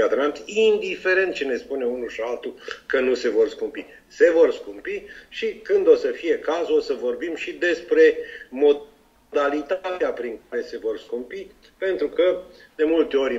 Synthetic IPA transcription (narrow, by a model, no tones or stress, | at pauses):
ad̪nant̪ʲind̪ife̞ɾe̞nt̪̚t͡ʃene̞spune̞unuʃialt̪ukənuse̞vo̞rskumpi | se̞vo̞rskumpiʃikɨnd̪o̞səfije̞kazuo̞səvo̞rbimʃid̪e̞spɾe̞mo̞ | d̪alit̪at̪eapɾiŋkaɾe̞se̞vo̞rskumpi | pe̞nt̪ɾukə | d̪̥e̞mult̪e̞o̞ɾʲ